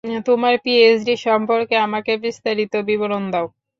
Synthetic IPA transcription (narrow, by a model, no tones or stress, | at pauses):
t̪omaɾpiesɖiʃɔmpoɾkeamakebist̪aɾit̪obiboɾond̪ao